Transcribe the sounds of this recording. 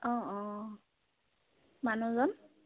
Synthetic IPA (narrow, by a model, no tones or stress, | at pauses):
ɔ̃ɔ̃ | manuzɔn